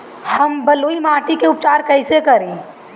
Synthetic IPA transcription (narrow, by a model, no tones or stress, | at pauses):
hɐmbɐluːimãːʈikeʊp̚t͡ʃaːɾkəɪsekɐɾẽː